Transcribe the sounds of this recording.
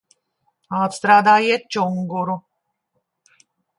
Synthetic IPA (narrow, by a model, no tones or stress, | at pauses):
aːt̪st̪ɾaːd̪aːjɛt̪̚t͡ʃoŋɡoɾu